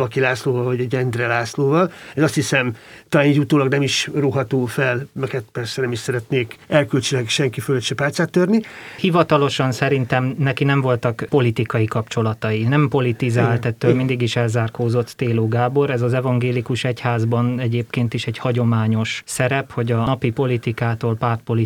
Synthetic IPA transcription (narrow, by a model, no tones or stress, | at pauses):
ɒkilaːsloːvɒlvɒɟɛɟɛnd̪rɛlaːsloːvɒlɛzɒst̪hisɛmt̪ɒlaːniɟut̪oːlɒɡnɛmiʃruɦɒt̪oːfɛlmɛkɛt̪pɛrsɛnɛmiʃsɛɾɛt̪neːkɛlkylt͡ʃylɛkʃɛŋkiføløt̪ʃɛpaːlt̪saːt̪ːørnihivɒt̪ɒlo̞ʃɒnsɛɾint̪ɛmnɛkinɛɱvo̞lt̪ɒkpo̞lit̪ikɒjikɒpt͡ʃo̞lɒt̪ɒjinɛmpo̞lit̪izaːlt̪ɛt̪ːøːlmind̪iɡiʃɛlzaːrkoːzo̞t̪t̪eːloːɡaːbo̞ɾɛzɒzɛvɒŋɡeːlikuʃɛchaːzbɒnɛɟeːpkeːnt̪iʃɛɟhɒɟo̞maːɲo̞ʃsɛɾɛpho̞ɟɒɒpipo̞lit̪ikaːt̪oːlpaːrt̪̚po̞li